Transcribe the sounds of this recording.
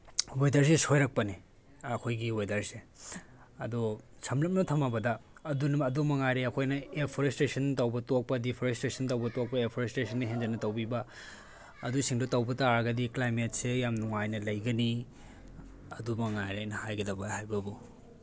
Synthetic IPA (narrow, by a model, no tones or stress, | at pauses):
wojdɐɾs̬esʰojɾɐk̚pɐni | ɐkʰojɡiwojdɐɾse | ɐdu | sʰɐmlɐp̚nɐtʰɐmabɐdɐːdunɐɐdumɐŋajɾeɐkʰojnɐepʰoɾestesɐntɐwbɐtok̚pɐdipʰoɾestɾesʰɐntɐwbɐtok̚pɐepʰoɾestesʰɐnːɐɦenzɐnɐtɐwbibɐː | dusiŋdotɐwbɐtaɾɐɡɐdiklajmet̚sejamnuŋajnɐlɐjɡɐni | ɐdumɐŋajɾajnɐhajɡɐdɐbɐhajbɐbu